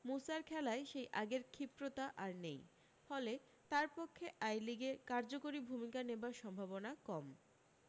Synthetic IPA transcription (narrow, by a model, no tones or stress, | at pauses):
musaɾkʰɛlaeʃejʔaɡeɾkʰipɾot̪aʔaɾnej | fɔle | t̪aɾpokʰːeʔajliɡekaɾd͡ʑokoɾibʱumikanebaɾʃɔmbʱabonakɔm